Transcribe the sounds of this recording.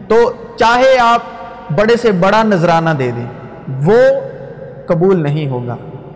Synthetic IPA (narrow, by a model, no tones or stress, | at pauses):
t̪oː | t͡ʃaːɦeaːp̚ | bɐɽesebɐɽanɐzɾaːnad̪eːd̪ẽː | ʋoː | kɐbuːlnɐɦĩɦoːɡa̰ː